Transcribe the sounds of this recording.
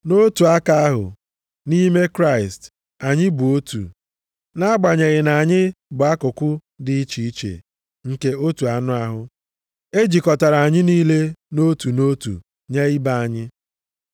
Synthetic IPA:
no˦tu˨a˦ka˦a˦ɦʊ̰˨ | ni˦me˦kɾa˦˨ɪ˨st | a˨ɲɪ˦bu˨o˦tṵ˨ | na˦a˦ɡ͡ba˨ɲe˨ɣɪ˨na˨ɲɪ˦bʊ˨a˦kʊ˨kʷʊ˦ | dɪ˦i˦t͡ʃi˨i˦t͡ʃḛ˨ | ŋ̩˨ke˦o˦tu˨a˨nʊ˦a˨ɦʊ˨ | e˦d͡ʒi˨kɔ˨ta˨ɾa˨a˨ɲɪ˦niː˦le˦no˦tu˨no˦tṵ˨ | ɲe˦i˦ba˦a˨ɲɪ˦

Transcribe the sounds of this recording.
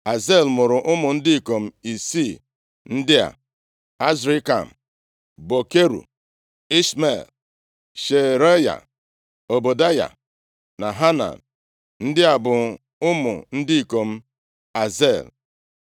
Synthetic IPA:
a˨ze˦˨lmʊ˨ɾʊ˨ʔʊ˦mʊ˨n̩˦dɪ˦i˨ko˨m̩˦i˨si˦˨ | n̩˦dɪ˦a̰˨ | a˦zɾi˦ka̰˨m̩˨ | bo˨ke˦ɾṵ˨ | i˦sme˨l | ʃe˨ɾe˦ja̰˨ | o˨bo˨da˦ja̰˨ | na˨ɦa˦na̰˨n | n̩˦dɪ˦a˨bʊ˨ | ʊ˦mʊ̰˨n̩˦dɪ˦i˨ko˨m̩˦ | a˨ze˦˨l

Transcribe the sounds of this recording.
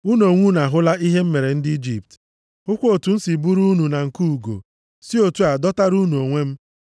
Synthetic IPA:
u˦nu˨o˨ŋʷu˦na˨ɦʊ˦la˦i˦ɦe˦m̩˦me˨ɾe˨n̩˦dɪ˦i˦d͡ʒḭ˨p̚t | ʊ˦kʷo˨tu˨n̩˦si˨bu˦ɾu˦nu˨na˨ŋ̩˨ku˦u˨ɡo̰˨ | si˦o˨tu˦a˨dɔ˦ta˦ɾu˦nu˨o˨ŋʷe˦m̩˦

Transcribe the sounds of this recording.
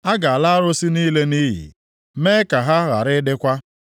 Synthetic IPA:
a˦ɡa˨a˨la˦a˦ɾʊ˦si˦niː˦le˦ni˦ɦḭ˨ | me˦ka˨ɦa˦ɣa̰˨ɾɪ˦dɪ˦kʷa˦

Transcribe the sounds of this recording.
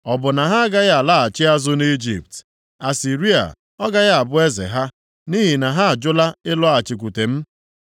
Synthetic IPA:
ɔ˨bʊ˨na˨ɦa˦a˦ɡa˦ɣa˨la˦˨a˨t͡ʃɪ˦a˦zʊ˦ni˦d͡ʒḭ˨p̚t | a˨si˨ɾi˦a̰˨ | ɔ˦ɡa˦ɣa˨bʊ˦e˦zḛ˨ɦa˦ | ni˦ɦi˨na˨ɦa˦a˨d͡ʒʊ˦la˦ɪ˦lʊ˦a˨t͡ʃɪ˨k̬ʷu˨te˨m̩˦

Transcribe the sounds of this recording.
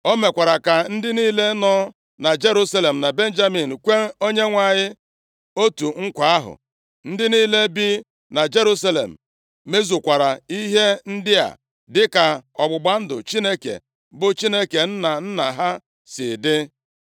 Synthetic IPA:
o˦me˨kʷa˨ɾa˨ka˨n̩˦dɪ˦niː˦le˦nɔ˦ | na˨d͡ʒe˦ɾu˦sa˦le˨m̩˨na˨be˦n̩˦d͡ʒa˦mi˨n̩˨kʷe˦o˦ɲe˦ŋʷa˨ɲɪ˦ | o˦tu˨ŋ̩˦kʷa˨a˦ɦʊ̰˨ | n̩˦dɪ˦niː˦le˦bi˦ | na˨d͡ʒe˦ɾu˦sa˦lḛ˨m̩˨ | me˦zu˨kʷa˨ɾa˨i˦ɦe˦n̩˦dɪ˦a̰˨ | dɪ˦ka˨ɔ˨ɡ͡bʊ˨ɡ͡ba˦n̩˦dʊ̰˨t͡ʃi˦ne˦kḛ˨ | bʊ˨t͡ʃi˦ne˦ke˨n̩˦na˨n̩˦na˨ɦa˦ | sɪ˨dɪ˦

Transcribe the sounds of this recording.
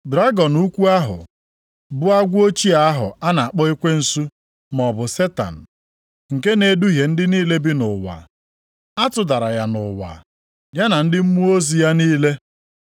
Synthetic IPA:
dɾa˦ɡɔ˨nu˦kʷu˦a˦ɦʊ̰˨ | bʊ˦a˦ɡʷʊ˦o˦t͡ʃi˦a˨a˦ɦʊ̰˨a˦na˨a˨k͡pɔ˦i˦kʷe˦n̩˨su˦ | m˨ɔ˨bʊ˨se˦ta̰˨n̩˨ | ŋ̩˨ke˦ne˦du˦ɦje˨n̩˦dɪ˦niː˦le˦bɪ˦nʊ˨wa̰˨ | a˦tʊ˨da˨ɾa˨ja˨nʊ˨wa̰˨ | ja˦na˨n̩˦dɪ˦m̩˦mu˦o˦zi˨ja˦niː˦le˦

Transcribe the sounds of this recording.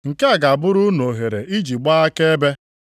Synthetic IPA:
ŋ̩˨ke˦a˨ɡa˨bʊ˦ɾu˦no˨ɦe˨ɾe˨ʔi˦d͡ʒi˨ɡ͡ba˦a˦ke˦e˦be˦

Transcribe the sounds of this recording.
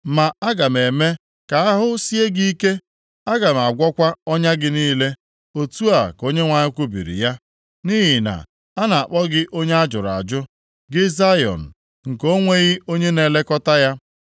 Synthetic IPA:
ma˨a˦ɡa˨m˨e˨me˦ | ka˨a˦ɦʊ˦si˦e˦ɡi˦i˦ke˦ | a˦ɡa˨m˨a˨ɡʷɔ˦kʷa˦ɔ˦ɲa˦ɡɪ˦niː˦le˦ | o˦tu˦a˨ko˦ɲe˦ŋʷa˨ɲɪ˦kʷu˦bḭ˨ɾḭ˨ja˦ | ni˦ɦi˨na̰˨ | a˦na˨a˨k͡pɔ˦ɡɪ˦ʔo˦ɲe˦a˦d͡ʒʊ˨ɾa̰˨d͡ʒʊ˦ | ɡɪ˦za˦jɔ̰˨n̩˨ | ŋ̩˨ko˦ŋʷe˦ɣɪ˦o˦ɲe˦ne˨le˦kɔ˦ta˦ja˦

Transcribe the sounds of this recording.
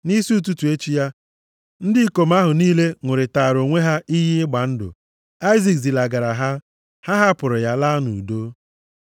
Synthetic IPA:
ni˦si˦u˦˨t̬u˦tu˨e˦t͡ʃi˦ja˦ | n̩˦dɪ˦ko˨m̩˦a˦ɦʊ˨niː˦le˦ŋʷʊ˨ɾɪ˨ta˨ɾo˨ŋʷe˦ɦa˦i˦ɦɪ˦ɪ˦ɡ͡ba˨n̩˦dʊ̰˨ | a˦ɪ˦zi˨kzi˨la˨ɡa˨ɾa˨ɦa˦ | ha˦ɦa˦pʊ˨ɾʊ˨ja˦la˦nu˨u˨do˦

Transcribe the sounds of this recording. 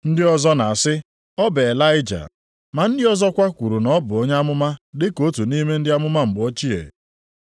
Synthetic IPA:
n̩˦dɪ˦ɔ˦zɔ˦na˨a˨sɪ˦ | ɔ˦be˨e˨la˦ɪ˦d͡ʒa̰˨ | ma˨n̩˦dɪ˦ɔ˦zɔ˦kʷa˦kʷu˨ɾu˨nɔ˦bʊ˨o˦ɲa˦a˦mʊ˦ma˦dɪ˦ko˦tu˨ni˦me˦n̩˦dɪ˦a˦mʊ˦ma˦m̩˨bʊ˨o˦t͡ʃi˦ḛ˨

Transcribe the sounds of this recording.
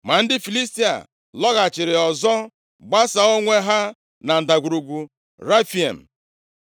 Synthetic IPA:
ma˨n̩˦dɪ˦fi˨li˦sti˦a̰˨ | lɔ˦ɣa˨t͡ʃɪ˨ɾɪ˨ɔ˨zɔ˦ | ɡ͡ba˦sa˨o˦ŋʷe˦ɦa˦ | na˨n̩˨da˨ɡʷu˨ɾu˨ɡʷu˨ | ɾa˦fi˨ḛ˨m̩˨

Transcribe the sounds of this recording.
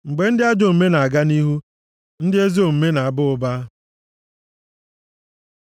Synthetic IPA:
ŋ͡m̩˨ɡ͡be˨n̩˦dɪ˦a˦d͡ʒo˨m̩˨me˦na˨a˨ɡa˦ni˦ɦu˦ | n̩˦dɪ˦e˦zi˦o˨m̩˨me˦na˨a˨bʊ˦ʊ˨ba˦

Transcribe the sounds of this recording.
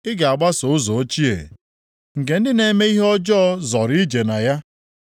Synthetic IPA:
ɪ˦ɡa˨a˨ɡ͡ba˦so˨˦ʊ˦zɔ˨o˦t͡ʃi˦ḛ˨ | ŋ̩˨ke˨n̩˦dɪ˦ne˨me˦i˦ɦɔ˦d͡ʒɔ˦zɔ˨ɾi˦d͡ʒe˨na˨ja˦

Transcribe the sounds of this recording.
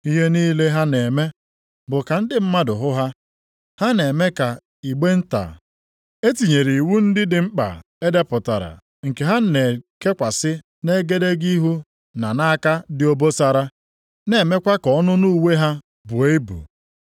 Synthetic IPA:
i˦ɦe˦niː˦le˦ɦa˦ne˨me˦ | bʊ˨ka˨n̩˦dɪ˦m̩˦ma˦dʊ˨ɦʊ˦ɦa˦ | ha˦ne˨me˦ka˨ | i˨ɡ͡be˦n̩˦ta̰˨ | e˦ti˨ɲe˨ɾi˨wu˦n̩˦dɪ˦dɪ˨ŋ͡m̩˦k͡pa̰˨ | e˦de˦pʊ˨ta˨ɾa̰˨ | ŋ̩˨ke˨ɦa˦n̩˦ne˨ke˦kʷa˨sɪ˦ | ne˦ɡe˦de˦ɡi˦ɦu˦ | na˨na˦ka˦dɪ˦o˦bo˦sa˨ɾa˦ | ne˨me˦kʷa˦kɔ˨˦nʊ˦nu˦u˦˨we˦ɦa˦ | bʊ˨e˦bṵ˨

